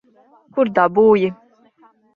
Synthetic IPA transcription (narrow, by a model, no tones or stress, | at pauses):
kuɾd̪abuːji